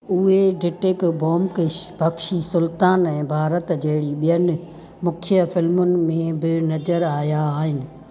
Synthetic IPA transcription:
ʊɦeɖɪʈɪkboːmkɪʃbʱɐkʃisʊlt̪aːnɛ̃ːbʱaːɾət̪d͡ʑɐɦɪɽiɓijənɪ̆ | mʊkʰjəfɪlmʊnɪ̆mẽbɪnɐd͡ʑəɾaːjaaːɦɪnɪ̆

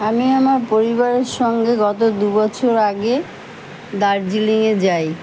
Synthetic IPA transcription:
amiamaɾpoɾiβaɾeɾʃɔŋɡeɡɔt̪od̪ubɔt͡ɕʰoɾaɡe | d̪aɾd͡ʑiliŋed͡ʑaj

